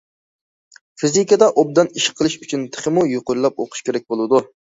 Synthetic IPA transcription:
fizikʲəd̪ɑʔob̚d̪ɑniʃqʰːəlˠɨʃyt͡ʃʰynt̪ʰɪ̥χɪmujoqʊɾlˠɑp̚oqʰʊ̥ʃkʲʰeɾɛk̚ʲbolˠɨd̪u

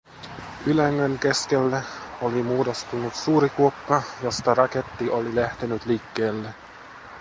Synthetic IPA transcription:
ylæŋːøŋke̞skelːæolimuːdo̞st̪unut̪suːɾikuokːɑjo̞st̪ɑɾɑke̞t̪ːiʔo̞lilæht̪enyt̪liːkːe̞ːlːe

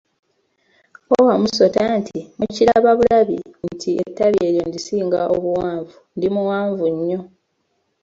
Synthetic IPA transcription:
owamuso̞tantʰimuciɾaβaβulaβḭntʰiḛtːaβje̞ɾjo̞ndisiːŋɡaʔo̞βuwaːɱvundimuwaːɱvuɲːo̞

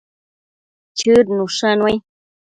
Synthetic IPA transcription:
t͡ʃɨɾnuʂanwaj

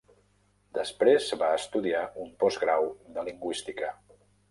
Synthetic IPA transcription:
d̪əspɾezβaəst̪uðiaʔumpɔzɣɾawd̪əliŋɡwist̪ikə

